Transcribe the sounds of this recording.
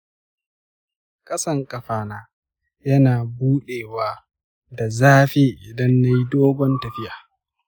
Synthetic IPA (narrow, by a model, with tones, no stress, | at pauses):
kʼɐ˦sɐ˦˨ŋkʼɐ˨ɸaː˨naː˦ | jɐ˦naː˨buː˦ɗeː˨waː˦ | da˨zaː˦ɸeː˦ʔɪ˨dɐ˦nːa˦ji˦doː˦ɡʷɔ˦ntɐ˨ɸɪ˦jaː˨